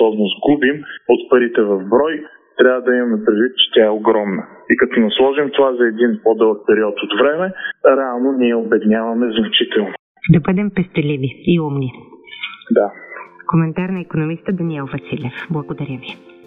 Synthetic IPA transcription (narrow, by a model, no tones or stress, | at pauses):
ɔbnozɡubimot̪pɐɾit̪ɛvɐvbɾɔj | t̪ɾʲavɐd̪ɐimɐmɛpɾid̪vit̪̚t͡ʃɛ̥t̪ʲaɛoɡɾɔmnə | ikɐt̪ɔnɐslˠɔʒimt̪ovazɐɛd̪inpod̪ɤlˠək̚pɛɾiɔt̪ot̪vɾɛmɛɾɛalˠnoniɛobɛd̪inʲavɐmɛznɐt͡ʃit̪ɛlˠno | d̪ɐbəd̪ɛmpɛst̪ɛliviiumni | d̪akomɛnt̪aɾnɐikonomist̪əd̪ɐniɛlˠvɐsilʲɛfblˠɐɡod̪ɐɾʲəvi